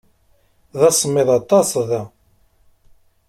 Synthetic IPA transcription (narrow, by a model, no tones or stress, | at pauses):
ðɑsˤəmːɪðˤɑt̪ˤɑsˤðæ